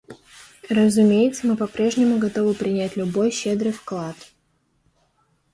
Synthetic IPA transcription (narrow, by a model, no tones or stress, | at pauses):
rəzʊmʲejɪt̪səmɨpɐpɾʲe̞ʐnʲɪmʊɡɐt̪o̞vɨpɾʲɪnʲætʲlʲʊbo̞jɕed̪ɾɨjfklˠat̪